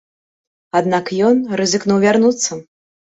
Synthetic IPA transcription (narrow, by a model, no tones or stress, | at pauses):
ad̪nakjɔnrɨzɨknuwvʲarnut̪sːɐ